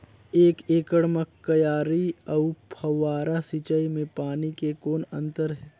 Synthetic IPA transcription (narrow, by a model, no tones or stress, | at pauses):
eːkeːkəɽməkːəjaːɾiəʊpʰɐwaːɾasit͡ʃəimẽpaːnikekoːnɐ̰̃nt̪əɾɦɛː